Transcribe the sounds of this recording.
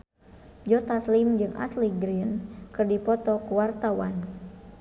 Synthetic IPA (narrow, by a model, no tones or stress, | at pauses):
d͡ʒɔt̪aslimd͡ʒɨŋʔa̰sliɡɾiənkɨrdipɔt̪ɔkuwart̪awa̰n